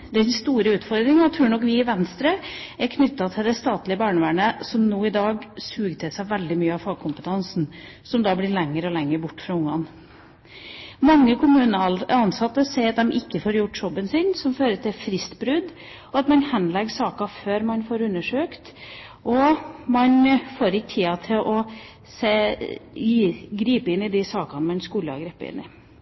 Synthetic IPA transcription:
d̪ɛnst̪uːɾəʉːt̪fɔɾd̪ɾɪŋɑt̪ʰːɾʉːɳɔkʋɪːʋɛnst̪ɾəæɾkʰnʏt̪ːɑt̪ʰɪld̪ɛst̪ɑːt̪lɪəbɑːɳəʋæːɳəsɔmnuːɪd̪ɑːɡsʉːɡt̪ʰɪsæɪʋɛld̪ɪmyːəɑʋfɑːɡ̚kʰʊmpət̪ʰɑnsn | sɔmd̪ɑːblɪɾɭɛŋːəɾɔlɛŋːəɾbʊʈːfɾɑʊŋːɑn | mɑŋːəkʰʊmʉːnəɑnsɑt̪ːəsɛɪɑt̪̚d̪ɛmʔɪkːəfoːɾjʊʈːjɔbːənsɪnsɔmføːɾəʈ̪ʰɪlfɾɪst̪bɾʉd̪ | ɔɑt̪mɑnhɛnlɛɡsɑːkɑføːɾmɑnfoːɾʉnːəʂøːkt̪ | ʔɔmɑnfoːɾɪkt̪ʰiːɑt̪ʰɪlʔɔ | seːjiːɡɾiːpəɪnːɪd̪ɪsɑːkɑnmɑnskuːləɑ̰ɡɾɛːpəɪ̰nːɪ̰

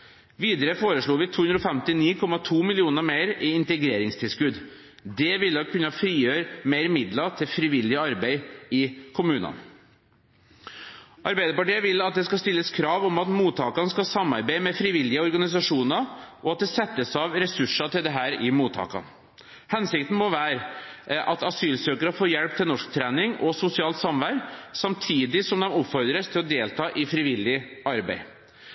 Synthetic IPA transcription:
ʋiːd̪əɾəfoːɾəʂɭuːʋɪt̪ʰuːʉnd̪ɾɔfɛmt̪ɪniːkʰɔmɑt̪ʰuːmɪlɪuːnəɾmeɪɾɪɪnt̪əɡɾeːɾɪŋst̪ʰɪlskʉd̪ | d̪ɛʋɪlːɔkʰʉnːɑfɾiːjøːɾmeɪɾmɪd̪lɑt̪ʰɪlfɾɪʋɪlːɪəɑɾbeɪɪkʰʊmʉːnɑ̰n | ʔɑɾbæɪd̪əpɑʈiːəʋɪlɑt̪̚d̪ɛskɑst̪ɪlːəskʰɾɑːʋɔmɑt̪muːt̪ʰɑːkɑnəskɑsɑmːɑ̰ɾbæɪmɛfɾɪʋɪlːɪəɔɾɡɑnɪs̬ɑʂuːnɑʔɔɑt̪̚d̪ɛsɛt̪ːəsɑʋɾɛsʉʂɑt̪ʰɪld̪ɛɦæːɾɪmuːt̪ʰɑ̰ːkɑ̰n | hɛnsɪk̚t̪n̩mɔʋæːɾʔɑt̪ɑsyːlsøːkəɾəfoːɾjɛlp̚t̪ʰɪlnɔʂkt̪ʰɾæːnɪŋɔsʊsɪɑːlt̪sɑmʋæɾɡsɑmt̪ʰiːd̪ɪsɔmd̪ɛmɔpfɔɾd̪ɾəst̪ʰɪlɔd̪eːlt̪ʰɑːʔɪfɾɪʋɪlːɪʔɑɾbæ̰ɪ

